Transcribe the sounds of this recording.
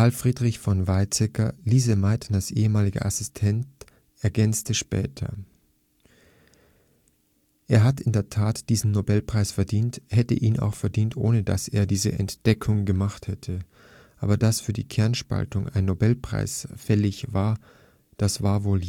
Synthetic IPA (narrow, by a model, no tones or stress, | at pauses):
alfʁ̥iːdʁɪçfɔnvaɪt͡sɛkɐliːzəmaɪtʰnasʔeːəmaːlɪɡə̰ʔasɪstʰɛnt | ʔɛɐɡɛnt͡stəʃpɛ̰ːtʰɐ̰ | ʔeːɐɦatʔɪndeːɐtʰaːtd̥iːzn̩nobɛlpʁ̥aɪsfɛɐdiːnthɛtə̰ʔiːna̰ʊxfɛɐdiːntʔo̰ːnəda̰sḛːɐdiːzə̰ʔɛ̰ntd̥ɛkʰʊŋɡəmaχthɛtʰə | ʔaːbɐdasfyːɐdḭːkʰɛɐnʃpa̰ltʊŋʔa̰ɪnːobɛlpʁ̥a̰ɪsfɛlɪçvaːɐ | d̥asv̥aːɐvoːl